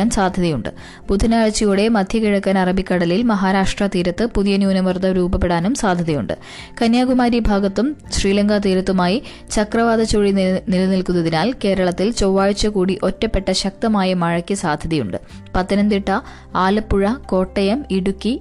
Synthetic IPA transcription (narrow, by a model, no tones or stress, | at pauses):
aːnsaːd̪ʱjɐðɐjuɳɖɨ̰ | bud̪ʱɐnaːɻt͡ɕːijuːɽe̞mɐd̪ʱjɐkiɻɐkːaːnɐrɐbikːɐɽɐlilmɐɦaːɾaːʂʈrɐt̪iːɾɐt̪ːɨpuðijɐnjuːnɐʋɐrd̪ʱɐɾuːbɐp̬ːe̞ɽaːnumsaːd̪ʱjɐðɐjṵɳɖɨ̰ | kɐnjaːɡumaːɾijbʱaːɡɐt̪ːumɕriːlɐŋɡat̪iːɾɐt̪ːumaːji | t͡ɕɐkrɐʋaːd̪ɐt͡ɕoːɻinilɐnilkunːɐðinaːlke̞ːɾɐɭɐt̪ːilt͡ɕowːaːɻt͡ɕːɐkuːɽiʔo̞tːɐpːe̞ʈːɐɕɐk̚t̪ɐmaːjɐmɐɻɐkʲːɐsaːd̪ʱjɐðijṵɳɖɨ̰ | pɐt̪ːinɐnd̪iʈːɐ | aːlɐpːuɻɐko̞ːʈːɐjɐmiɽukːi